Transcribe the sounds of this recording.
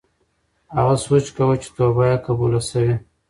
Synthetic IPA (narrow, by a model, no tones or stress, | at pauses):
ha̰ɣaswut͡ʃkawət͡ʃe̥t̪obajakabulasawi